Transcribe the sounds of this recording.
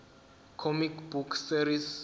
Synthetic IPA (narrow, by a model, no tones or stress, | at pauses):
kʰɔmikʰbukʰsiɾis